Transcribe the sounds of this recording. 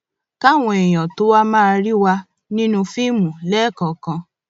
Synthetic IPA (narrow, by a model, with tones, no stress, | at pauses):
ka˦˨w̃ɔ̃˧ɛ˨j̃ɔ̃˨to˨˦wa˦mã˦˧ɾi˦wa˧ | nĩ˦nũ˧fi˦mũ˨lɛ˦˨kɔ˨kã˧